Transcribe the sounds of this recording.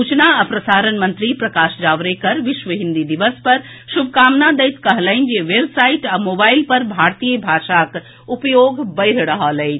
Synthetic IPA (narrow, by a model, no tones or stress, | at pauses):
uːt͡ʃnaəpɾɐsaːɾənmɐ̃nt̪ɾipɾɐkaːʃd͡ʒaːʋɾekɐɾʋɪʃʋəɦĩnd̪id̪iʋəspɐɾ | ʃub̚ʱkaːmnad̪ejt̪kɐɦləɪnd͡ʒeʋeːbsaiʈamobaːɪlpɐɾbʱaːɾt̪ijəbʱaːʃak | upjoːɡbəɪɾɽəɦalə